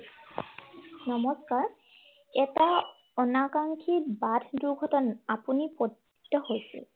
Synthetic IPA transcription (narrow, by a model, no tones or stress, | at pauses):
nɔmɔskaɹ | ɛta | ɔnakaŋkʰibadʰʱduɹɡʱɔtɔnapunipot | ktɔhojsɛ̰